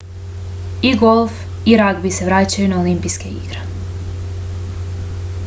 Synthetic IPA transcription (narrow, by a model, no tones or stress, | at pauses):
iɡolˠf | iɾaɡbise̞ʋɾaːt͡ɕajunaolimpijske̞ḭɡ̥ɾe